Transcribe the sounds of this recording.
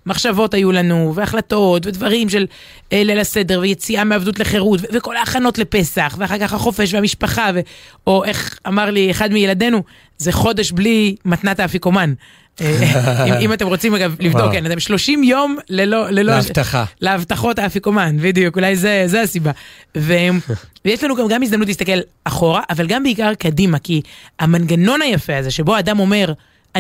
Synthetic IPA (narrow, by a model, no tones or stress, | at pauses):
maχʃavo̞tajulanuveaχlat̪o̞t̪ve̞d̪vaʁimʃe̞l | elelase̞d̪e̞ʁvejet͡siameavd̪utle̞χe̞ʁutveveko̞laːχano̞tle̞pe̞saχveaχaʁkaχhaχo̞fe̞ʃveamiʃpaχave̞oʔe̞χamaʁlieχad̪mijelad̪e̞nu | zeχo̞d̪e̞ʃblimat̪nat̪afiko̞man | imimat̪e̞mʁo̞t͡simaɡavlivdokkːenat̪e̞mʃlo̞ʃimjo̞mlelolelot̪aleavt̪aχo̞t̪afiko̞manbid̪ijukulajzezeasibavemvjeʃlanuɡamɡamizd̪amnutlist̪ake̞l | aχo̞ʁaʔavalɡambeikaʁkad̪imakiamanɡano̞nhajafeaze̞ʃe̞boad̪amo̞me̞ʁ | a